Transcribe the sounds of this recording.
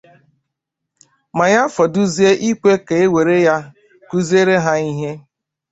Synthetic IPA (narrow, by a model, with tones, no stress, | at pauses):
ma˨ja˦fɔ˨du˦zi˦e˦ʔi˦kʷe˦ke˨e˦we˨ɾe˦ja˦ | ku˦ze˦ɾe˦ɦa˦i˦ɦe˦